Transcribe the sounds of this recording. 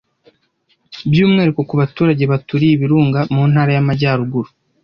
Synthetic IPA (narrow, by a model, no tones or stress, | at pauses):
bjuːmŋe̞ːɾeko̞kuβatuːɾaɟe̞βatuɾiːβiɾuːŋɡamuːnhaːɾajamaɟaːɾuɡuɾu